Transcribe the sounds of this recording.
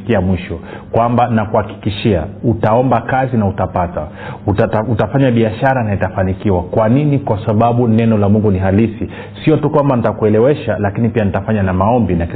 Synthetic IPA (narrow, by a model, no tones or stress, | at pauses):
kiamwiʃɔ | kwambanakuhaki̥kiʃiautaɔmbakazinautapata̰ | utatutafaɲaɓiaʃaɾanaitafanikiwakwaninikwasaɓaɓunɛnɔlamuŋɡuniɦalisi | siɔtukwambanitakuɛlɛwɛʃalakinipianitafaɲanamaɔmbinak